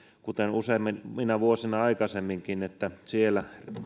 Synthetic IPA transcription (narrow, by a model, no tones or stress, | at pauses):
kut̪enuseimːinminæʋuosinɑɑikɑsemːiŋkinet̪ːæsielær